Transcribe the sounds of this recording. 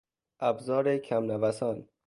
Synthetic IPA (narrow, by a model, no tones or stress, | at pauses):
ʔæbzɒːɾekʰæmnævæsɒːn